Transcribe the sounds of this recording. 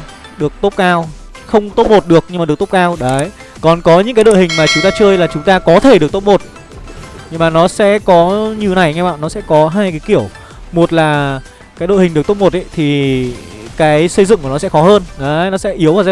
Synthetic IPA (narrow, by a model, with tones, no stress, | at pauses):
ɗɨ˨˩ək̚t̪o˦˥p̚kaː˧w | xə˧wŋ͡mt̪o˦˥p̚mo˨˩t̚ɗɨ˨˩ək̚ɲɨ˧ma˨˩ɗk̚t̪o˦˥k͡pkaː˧wɗə˨˦j | kɔ˨˩nkɔ˨˦ɲɨ̰˧˥kaː˨˦ɗo̰˧˨hï˨˩ŋ̟maː˨˩t͡ɕʊ˨˦ŋ͡mt̪aː˧t͡ɕə˧jlaː˨˩t͡ɕʊ˨˦ŋ͡mt̪aː˧kɔ˨˦t̪ʰe˧˩ɗɨ˨˩k̚t̪o˦˥p̚mo˨˩t̚ | ɲɨ˧ŋmaː˨˩nɔ˨˦sɛ̰˧˥kɔ˨˦ɲi˨˩əwna˨˩jŋɛ˧ɓa̰ː˧˨nːɔ˨˦sɛ̰˧˥kɔ˨˦ɦaː˧jkaː˨˦ki˧˩əw | mo˨˩t̚laː˨˩ | kaː˨˦jɗo̰˧˨hï̟˨˩ɨ˨˩k̚t̪p̚mo˨˩t̚ʔə̰˧˦jt̪ʰi˨˩ | kaː˨˦jsə˧jzɨ̰˧˨ŋku˧˩nɔ˨˦sɛ̰˧˥xɔ˨˦həː˧nɗə˨˦nɔ˨˦sɛ̰˧˥ʔi˨˦əwvaː˨˩za˧